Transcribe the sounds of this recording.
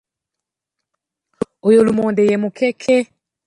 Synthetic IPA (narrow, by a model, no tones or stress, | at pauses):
ojolumoːndejemukʰekʰe